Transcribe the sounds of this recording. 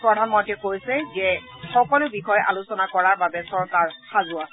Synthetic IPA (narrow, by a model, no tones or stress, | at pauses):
pɹɔdʱanmɔntɛkojsɛzɛ | xɔkɔlʊbixɔjʔa̰lʊsɔnakɔɹaɹbabɛsɔɹkaɹxazʊas